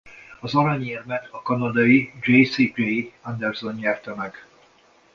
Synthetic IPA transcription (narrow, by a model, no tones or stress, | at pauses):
ɒzɒɾɒɲiɛrmɛt̪ʰɒkɒnɒd̪ɒjid͡ʒejsid͡ʒejand̪ɛrzo̞nɲɛrt̪ɛmɛɡ̥